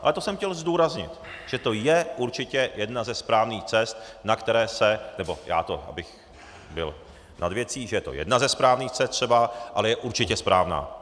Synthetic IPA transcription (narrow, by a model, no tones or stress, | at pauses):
ʔalɛt̪o̞sɛmxcɛlzduːɾazɲɪ̰t̪ʒ̥ɛt̪o̞jɛʔuɾt͡ʃɪcɛjɛdnazɛspɾaːvniːxt͡sɛst̪̚nakt̪ɛɾɛːsɛnɛbo̞ja̰ːt̪o̞ʔa̰bɪx | bɪ̰l | nʔa̰d̪vjɛt͡siːʒɛjɛt̪o̞̰jɛ̰dnazɛspɾaːvniːxt͡sɛst̪ːr̝̥ɛbaʔalɛjɛʔuɾt͡ʃɪcɛspɾʔaːvna̰ː